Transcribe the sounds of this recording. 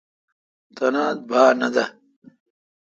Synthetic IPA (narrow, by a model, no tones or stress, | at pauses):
t̪ɐnaːd̪̚bʱaːnɐd̪a